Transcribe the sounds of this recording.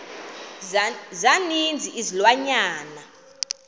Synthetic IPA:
zanind͡zʱiʔizilwaɲaːna

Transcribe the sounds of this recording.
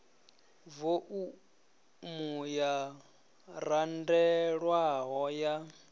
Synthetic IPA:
voʔu | muja | randɛɺwaɦɔja

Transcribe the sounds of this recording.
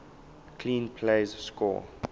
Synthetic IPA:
kʰlĩːnpʰleɪzskɔ̰

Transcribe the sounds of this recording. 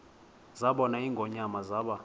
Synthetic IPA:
zaɓɔnaiŋɡʱɔɲamazaːɓa

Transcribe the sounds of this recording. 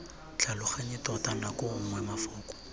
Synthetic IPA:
t͡ɬalʊχaɲɪtɔtanakʊŋwɛmafɔːkʼɔ̥

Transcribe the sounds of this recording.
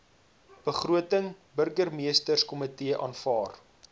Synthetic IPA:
b̥əχruətəŋ | bərɡərmiəstərskɔmətiəʔɑ̰ːnfɑːr

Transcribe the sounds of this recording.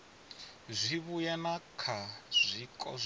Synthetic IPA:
zʷiβujɛnakʰazʷikʼɔ̰z

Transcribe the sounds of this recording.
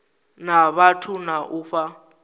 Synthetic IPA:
naβatʰunaʔuɸa

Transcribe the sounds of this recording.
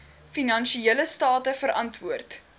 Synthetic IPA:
finɐnʃieələstɑːtəfəɾʔɐntvuərt

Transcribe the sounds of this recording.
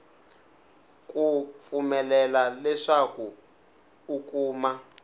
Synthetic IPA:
kup̪fumɛlɛlalɛʂakuː | kʼuːma

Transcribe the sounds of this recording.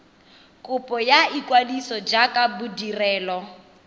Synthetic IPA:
kʼʊpʼɔjaikʼwadisɔd͡ʒakʼabudirɛːlɔ

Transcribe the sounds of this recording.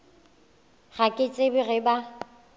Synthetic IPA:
ɣakʼɪt͡sʼebɪɣɪba

